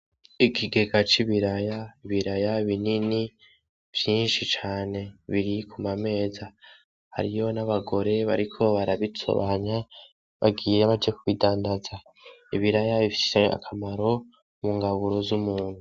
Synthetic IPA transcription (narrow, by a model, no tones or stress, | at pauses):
ikʰiɡe̞ɡat͡ʃiβiɾajaiβiɾajaβinini | v̥jiːnʃit͡ʃaːne̞βiɾikʰumame̞ːza | ha̰ɾijo̞naβaɡo̞ɾe̞βaɾikʰo̞βaɾaβitʰo̰βaɲa | βa̰ɡiːɾeβad͡ʒekuβidaːndaza | iβiɾajaβifi̥ssea̰kʰamaɾo̞ | muŋɡaβuɾozumuːnhu